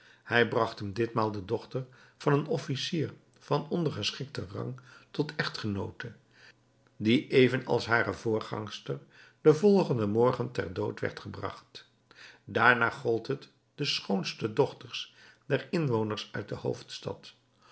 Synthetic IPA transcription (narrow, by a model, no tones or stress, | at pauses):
hɛjbrɑχtəmdɪtmaːlˠdədɔχtəɹ | v̥ɑnənɔfisiːɹ | v̥ɑnɔndəχəsχɪk̚tərɑ̰ŋtɔtʰɛχtχənowtə | diʔejvənɑ̰lˠsɦaːɾəvʊːɹχɑ̰ŋstəɹ | d̥əvɔlˠχəndəmɔɹχəntɛ̰ɹdowtʋɛ̰ɹtχəbrɑ̰χt | daːɹnaːχɔlˠtɦət | d̥əsχownstədɔχtəɹsd̥ɛɹɪnʋownəɹsœɥt̚dəho̰wftstɑ̰t